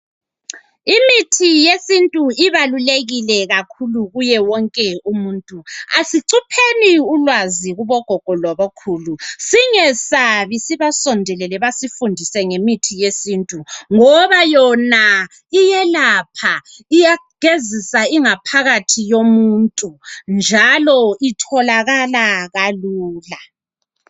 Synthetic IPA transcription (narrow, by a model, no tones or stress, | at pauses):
imitʰijesintʼuiβaluleɣilɛɣakʰuluɣujɛwɔŋkʼɛumuːntʼuasiǀʰupʰeniulwaziɣuβɔɡ̥ʱɔɡ̥ʱɔlɔβokʰuːlusiŋɛsaβisiβasɔndʱɛlɛlɛβasifundʱisɛŋemitʰijesintʼuŋɔβajɔna | ijɛlapʰa | ijaɡ̥ʱezisaiŋapʰaɣatʰijomuntʼund͡ʒʱalɔitʰɔlaɣalaɣaluːla